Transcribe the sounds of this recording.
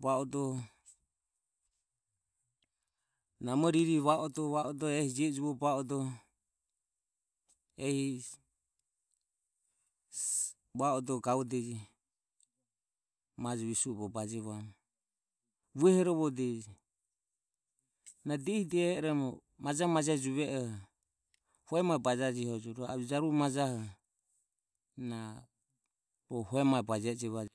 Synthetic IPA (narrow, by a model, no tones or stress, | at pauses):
βaɔd̪ɔ | namɔɾiɾiβaʔɔt̪ɔβaɔd̪ɔɛhid͡ʒɛd͡ʒuβɔbaɔd̪ɔ | ɛhi | βaɔd̪ɔɡaudɛd͡ʒi | mad͡ʒɛβisuɔβɔbad͡ʒiβamɔ | βuɛhɛɾɔβɔdɛd͡ʒi | nadɛhidiɛɾɛmɔ | mad͡ʒahmad͡ʒɛd͡ʒuβɛʔɔh | hɔɛmabad͡ʒad͡ʒihɔd͡ʒɔɾɔa̰d͡ʒaɾumad͡ʒahɔ | na | bɔhɔɛmaɛbad͡ʒɛd͡ʒɛβa